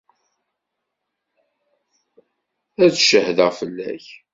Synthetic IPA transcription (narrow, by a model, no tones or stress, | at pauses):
æt͡sʃəhðəʁfəlːæ̰ç